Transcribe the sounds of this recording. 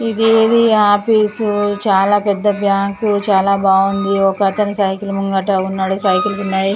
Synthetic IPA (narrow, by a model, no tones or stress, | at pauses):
id̪eːd̪iaːpiːsut͡ʃaːlaːpɛd̪ːɐbʱjaːŋkut͡ʃaːlaːbaːɡund̪iɔkɐt̪ɐnɐsɐjkulumuŋɡɐʈɐunːaːɽusɐjkuls̬unːaːji